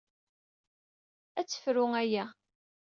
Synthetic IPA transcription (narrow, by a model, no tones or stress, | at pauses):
æt͡sːə̥fɾʊæjæ